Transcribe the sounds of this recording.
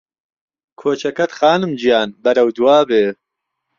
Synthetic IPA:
kʰoːt͡ʃʰɐkɐt̪xaːnɨmd͡ʒijaːnbɐɾɐwd̪uwaːbeː

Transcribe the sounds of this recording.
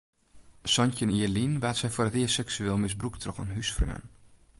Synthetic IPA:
sɔncəniəlinʋaːtsɛjfoərətiːsɛksyeːlˠmɪsbruktʰrɔxa̰nɦysfrø̰ə̰n

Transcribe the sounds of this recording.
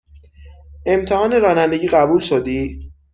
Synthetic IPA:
e̞mt̪ʰehɒːneɾɒːnænd̪e̞ɟiːɣæbuːlʃod̪iː

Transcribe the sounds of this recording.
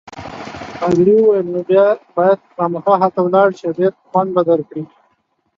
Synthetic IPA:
aɡɾiwajlnubjɑbɑjad̪̚xɑməxɑɦat̪awlɑɽt͡ʃab̪et̪̚xwand̪̚bad̪alkɽi

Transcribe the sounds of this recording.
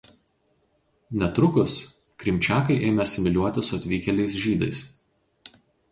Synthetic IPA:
nʲɛt̪ɾʊkʊs | kɾʲɪmʲt͡ʃʲæːkɐɪʔeːmʲɛɐsʲɪmʲɪlʲuɔt̪ʲɪsʊɐt̪ʲʋʲiːkʲɛlʲɛɪsʒʲiːd̪ɐ̰ɪs

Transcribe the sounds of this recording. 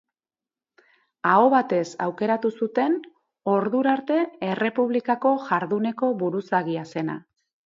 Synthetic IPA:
ao̞βat̪e̞sa̰wke̞ɾat̪usut̪e̞n | o̞ɾðuɾaɾt̪e̞ere̞puβ̞likako̞ʝaɾðune̞ko̞βuɾusaɣiase̞na̰

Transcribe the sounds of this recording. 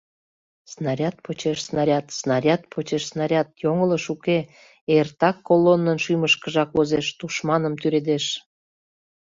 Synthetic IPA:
snɑɾʲɑt̪̚pot͡ɕeʃsnɑɾʲɑt̪snɑɾʲɑt̪̚pʰot͡ɕeʃsnɑɾʲɑt̪̚joŋələʃuke | ert̪ɑkːolonːənʃyməʃkəʒɑkvozeʃt̪uʃmɑnəmt̪yɾed̪eʃ

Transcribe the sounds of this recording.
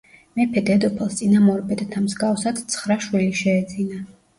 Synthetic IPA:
mɛpʰɛd̪ɛd̪ɔpʰɛlˠst̪sʼinamɔɾbɛd̪t̪ʰamzɡafsad̪t̪sʰχɾaʃwiliʃɛːd̪zina

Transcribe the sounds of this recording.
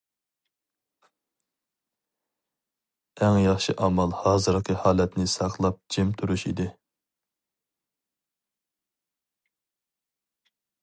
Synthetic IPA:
ɛŋjɑχʃiʔɑmɑlˠhɑːzɨɾqʰəhɑːlɛt̪nɪsɑqlˠɑp̚d͡ʒɪmt̪ʰuɾuʃḭd̪ɪ

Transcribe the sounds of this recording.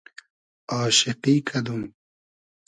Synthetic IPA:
ɑːʃɪqiːkʰɐd̪um

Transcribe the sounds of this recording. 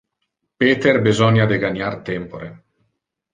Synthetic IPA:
peːt̪erbizɔɲjad̪eɡanjart̪ɛmpoɾe

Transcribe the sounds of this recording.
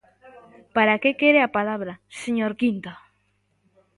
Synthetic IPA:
paɾakekeɾeapalaβɾaseɲoɾkint̪o

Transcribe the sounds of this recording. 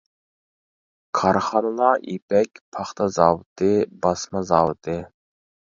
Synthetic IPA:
kʰɑɾχɑnɨlˠɑipɛkʲpʰɑχt̪ʰɑzɑwt̪ɨbɑsmɑzɑːwt̪ʰɨ

